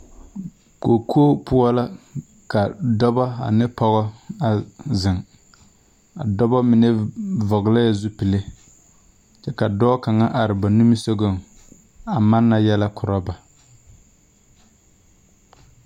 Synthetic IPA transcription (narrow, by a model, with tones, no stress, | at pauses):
ko˨kʰoː˦pʊ˦ɔ˦la˦ | ka˨dɔ˦bɔ˦a̰˨nɪ˦pɔ˦ɣɔ˦a˨zɪ˨ŋ | a̰˨dɔ˦bɔ˦mɪ˨nɛ˦vɔ˨ɡɪ˨la˦ja˨zu˦pɪ˨le˦ | t͡ʃɛ˦ka˨dɔː˦ka˨ŋa˦ʔa˨ɾɪ˨ba˨nu˦mi˦so˦ɡo˦˨ŋ | a˨ma˦nːa˨jɛ˦la˦kʰʊ˨ɾɔ˦ba˨